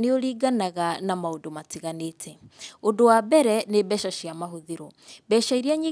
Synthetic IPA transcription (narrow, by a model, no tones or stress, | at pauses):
neoɾiːɡanaɣanamaondomatiɣanetʰɛondowabɛɾɛnebɛʃaʃiamaɦoðiɾobɛʃaiɾiaɲiː